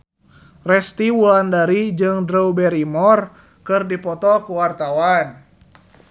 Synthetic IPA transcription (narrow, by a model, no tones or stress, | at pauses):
rɛst̪iwulandaɾid͡ʒɨŋdɾɛubɛɾimɔr | kɨrdipɔt̪ɔkuwart̪awan